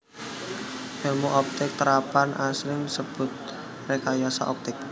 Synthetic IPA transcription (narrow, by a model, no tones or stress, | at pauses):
hɛlmuʔɔp̚t̪ɪk̚t̪əɾapanʔasɾɪŋsəb̥ʊ̤t̪̚ | rekajasa̰ʔɔp̚t̪ɪk̚